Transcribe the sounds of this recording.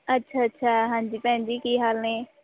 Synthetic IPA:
ətːʃʰaːətːʃʰaːɦãːɲd͡ʒiːpɛ̃ːnd͡ʒiːkiːɦaːlnẽː

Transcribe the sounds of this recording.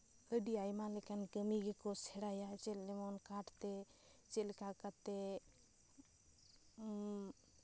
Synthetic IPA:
əɖiajmalekankəmiɡekosʰeɽajat͡ʃelːemonkaʈʰt̪et͡ʃelkakat̪e

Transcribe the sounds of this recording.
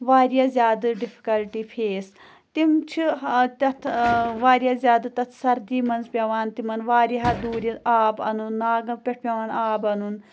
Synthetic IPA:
ʋaːɾijaːzʲjaːd̪ɨɖipʰi̥kɐlʈiːpʰeːs | t̪imt͡ʃʰit̪ɐt̪ʰʋaːɾijaːzʲjaːd̪ɨt̪ɐt̪ʰsɐɾd̪iːmɐnzpʲjɐʋaːnt̪imɐnʋaːɾiɦaːd̪uːɾʲiaːbɐ̰nunːaːɡɐpʲeʈʰpʲjɐʋaːnaːbɐnun

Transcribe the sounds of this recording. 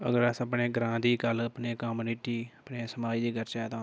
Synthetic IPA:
ə̰ɡəɾəsəpneːɡɾãːd̪iːkələpneːkaːmuniʈiːəpneːsəmaːid̪iːɡəɾt͡ʃaːt̪ãː

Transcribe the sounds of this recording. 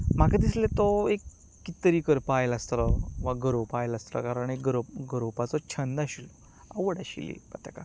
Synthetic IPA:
m̤akad̪islet̪ɔekː | it̪əɾiːkəɾpajlast̪ləʋaɡəɾopajlast̪lə̰kaɾəɳekɡəɾopɡəɾopat͡sɔt͡ɕʰənd̪aɕilɔ | aʋəɽaɕḭlḭpat̪aka

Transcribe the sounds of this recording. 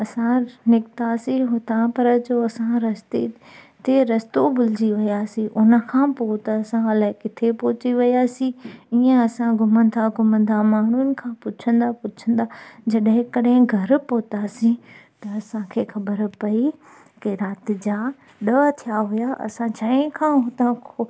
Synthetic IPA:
ɐsãnɪkt̪asĩɦʊt̪apɐɾd͡ʑoːɐsãɾɐst̪e | t̪eɾɐst̪obʊld͡ʑiʋɐijaːsĩʔʊnə̆kʰãːpoːt̪ɐːsãɐlaːɪkɪt̪ʰepoːt͡ɕiʋɐiaːsĩiːẽɐsãɡʱʊmə̃n̆d̪aɡʱʊmə̃nd̪amaːn̤unɪ̆kʰãːpʊt͡ʃʰə̃nd̪apʊt͡ɕʰə̃nd̪aːd͡ʑɐɗɦɪ̃kɐɗɦɪ̃ɡʱɐɾpoːt̪aːsĩ | t̪ɐɐsãkʰeːxɐbəɾpɐi | kiɾaːt̪ɪ̆d͡ʑaː | ɗəːt̪ʰijaɦʊjaʔɐ̰sãt͡ɕaːɪ̃kʰãːɦʊt̪ãkʰo

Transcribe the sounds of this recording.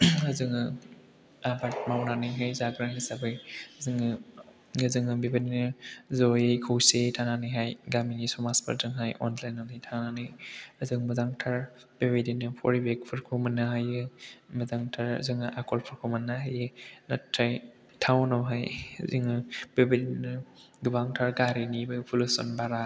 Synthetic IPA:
ɐzɯŋɯ | abaɾt̚mawnanɯjɦajzaɡɾanisabɯjzɯŋɯ | ɯzɯŋɯbebedinɯzɔjɯkʰɯwsetʰananɯjɦajɡamiŋisɔmaspʰɐ̰ɾdɯŋɦajʔɔnlajnanɯjtʰananɯjɐzɯŋmɐzaŋtʰaɾ | b̥ebedinɯpʰɔ̰ɾibek̚pʰɯɾkʰomɐnaɦajɯmɐzaŋtʰaɾ̰zɯŋɯʔakʰɔlpʰɯɾkʰomɐnːaɦajɯnɐtʰːaj | tʰawnɔwɦaj̰ziŋɯb̥ebedinɯ | ɡɯbaŋtʰaɾɡaɾinibɯpʰulusɔ̰nbaɾa

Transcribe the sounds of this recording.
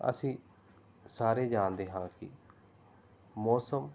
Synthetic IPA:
ə̰sĩː | saːɾeːd͡ʒãːnd̪eːɦãːkɪ̰ | mɔːsəm

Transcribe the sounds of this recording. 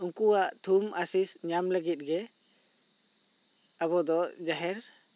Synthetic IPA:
uŋkuwaʔt̪ʰumʔasisɲamləɡit̪̚ɡɛ | aβɔd̪ɔd͡ʒaɦɛɾ

